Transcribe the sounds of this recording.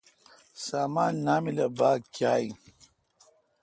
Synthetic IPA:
saːmaːnːaːmilɐbaːɡkjaːj

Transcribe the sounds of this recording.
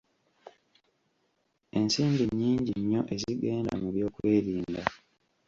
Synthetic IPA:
e̞nsiːmbiɲːiːɲɟiɲːo̞ʔe̞ziɡe̞ːnda̰muβjo̞ːkweːɾiːnda

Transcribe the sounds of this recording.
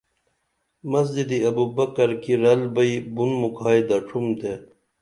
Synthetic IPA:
mɐs̬d͡ʑid̪iɐbubɐkɐɾkiɾɐlbɐibunmukʰaːid̪ɐʈ͡ʂʰumd̪e

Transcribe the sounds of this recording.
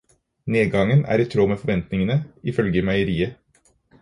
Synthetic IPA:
neːɡɑŋənæ̰ːɾɪt̪ʰɾoːmeːfɔʋɛnt̪nɪŋənəɪfœlɡəmæɪəɾiːə

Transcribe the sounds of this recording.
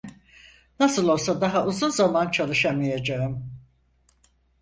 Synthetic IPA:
nasɯlˠo̞lˠsad̪aɦaʔuzunzamant͡ʃʰalˠɯʃamajad͡ʒaɯm

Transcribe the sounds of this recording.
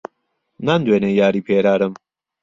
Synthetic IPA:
naːnd̪weːnejaːɾiːpʰeːɾaːɾɨm

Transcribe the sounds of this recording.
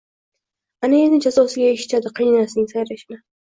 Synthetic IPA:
anajenɪt͡ʃʰasosɪɡʲajeʃɪ̥t͡ʃʰad̪ɪqʰijnaasɪnɪŋʲsajɾaʃɪnɪ

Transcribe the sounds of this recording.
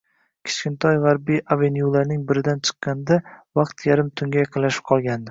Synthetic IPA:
kʲʰɪ̥t͡ʃkʲɪnt̪ʰɒjʁɑɾbiʔavenjulaɾnɪŋbɪɾɪd̪ant͡ʃʰɨ̥qːɑnd̪avɑqt̪jaɾɪmt̪ʰʊŋɡʲajɑqʰɨnlaʃɪ̥p̚qʰɒlˠɡʲand̪ɪ

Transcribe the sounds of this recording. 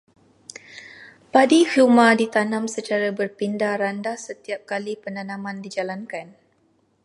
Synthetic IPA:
padihumãdit̪anãmsət͡ʃaɾabərpindaɾandasət̪iap̚kalipənanãmãndid͡ʒalankan

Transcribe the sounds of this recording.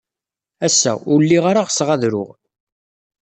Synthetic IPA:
æsːæ̰ʊɾlːiʁaɾaʁsʁæðɾʊ̰ʁ

